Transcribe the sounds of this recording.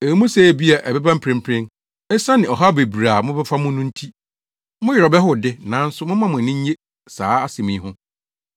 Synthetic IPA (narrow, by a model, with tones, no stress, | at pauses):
e˨˦mũ˦se˦˨bi˦a˨ʔɛ˨bɛ˦bã˦m̩˦pʰɾɪ̃˦m̩˦pʰɾɪ̃˦n | ɛ˦sã˦nɪ̃˨ɔ˨ɦa˦be˨bɾa˨mʊ̃˦bɛ˦fa˦mʊ̃˦nʊ̃˦n̩˦tʰi˦ | mʊ̃˦jɪ˨ɾɔ˨bɛ˦ɦʊ˦dɪ˦nã˨˦n̩˦sʊ˦mʊ̃˦mã˦˨mʊ̃˨nɪ̃˦ɲ˦e˦ | saː˨˦a˦se˨mĩː˨˦˨ɦʊ̃˦